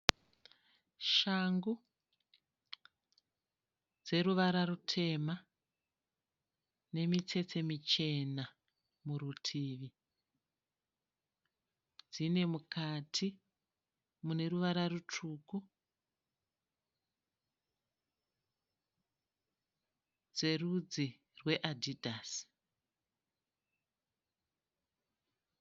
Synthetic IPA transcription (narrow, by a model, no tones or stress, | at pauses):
ʃaŋɡu | d͡ze̞ɾuʋaɾarutʰe̞ma | ne̞mit͡se̞t͡se̞mit͡ʃe̞na | muɾutʰiːʋi | d͡zine̞mukatʰi | mune̞ruʋaɾarut͡ʂuku | d͡ze̞rud͡zi | rwe̞ʔadidʱas